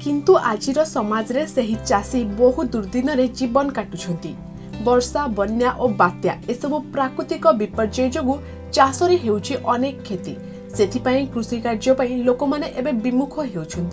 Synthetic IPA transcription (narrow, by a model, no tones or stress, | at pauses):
kint̪uʔad͡ʒiɾɔsɔmad͡ʒɔɾeseɦit͡ʃasiboɦud̪uɾd̪inɔɾed͡ʒibɔnɔkaʈut͡ʃʰɔnt̪i | bɔɾsabɔnjaʔobat̪jaesɔbupɾakɾut̪ikɔbipɔɾd͡ʒɔjd͡ʒoɡu | t͡ʃasɔɾiɦewt͡ʃʰiʔɔnekɔkʰːet̪i | set̪ʰipaĩkɾusikaɾd͡ʒɔpaĩlokɔmaneʔebebimukʰɔɦewt͡ʃʰɔnt̪i